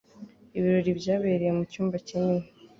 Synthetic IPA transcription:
iβiɾo̞ɾibɟaːβeɾejemucuːmbaciɲini

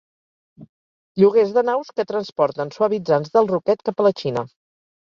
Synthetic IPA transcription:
ʎuɣezðənawskət̪ɾənspɔɾt̪ənsuəβid͡zanzðəlˠrukɛt̪kapələt͡ʃinə

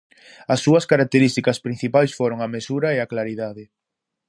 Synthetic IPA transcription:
ɐsːuɐskaɾak̚t̪eɾist̪ikɐspɾin̟θipajsfoɾoŋɐmesuɾɐeaklaɾiðaðɪ

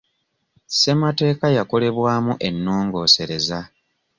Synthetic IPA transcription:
se̞mate̞ːkajako̞le̞βwaːmuʔe̞nːoːŋɡo̞ːse̞ɾe̞za

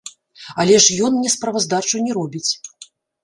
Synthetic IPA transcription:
ɐlʲɛʂjɔnnʲɛspɾɐvɐzd̪at͡ʂunʲɛɾɔbʲit͡sʲ

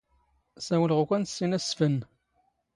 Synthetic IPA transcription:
sæwəlʁukʷænsːinæsfən

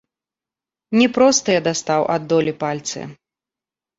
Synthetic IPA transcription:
nʲɛpɾɔst̪ɨjɛd̪ast̪awʔa̰d̪ːɔlʲipalʲt̪sɨ̰

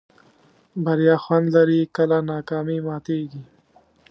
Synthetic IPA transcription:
bɐɾjɑːxwand̪laɾikəlanɑːkɑːmimɑːt̪eːɡi

